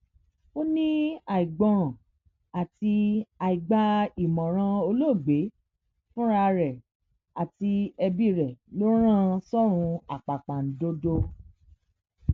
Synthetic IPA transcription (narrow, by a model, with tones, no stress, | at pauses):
o˦nĩ˦a˨i˨ɡ͡bɔ̃˨ | a˨ti˧a˧˨i˨ɡ͡ba˧˦i˨mɔ̃˨ɾ̃ã˧o˧lo˦˨ɡ͡be˨˦ | fũ˦ɾa˧ɾɛ˨ | a˨ti˧ɛ˧bi˦ɾɛ˨lo˦ɾ̃ã˦sɔ˦ɾ̃ũ˧a˨k͡pa˨k͡pa˨n̩˨˦do˦do˦